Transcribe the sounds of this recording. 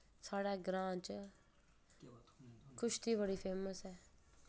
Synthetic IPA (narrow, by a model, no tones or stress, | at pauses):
saːɽaːɡɾãːt͡ʃ | kʊʃt̪ʰiːbəɽiːpʰeːməsɦɛː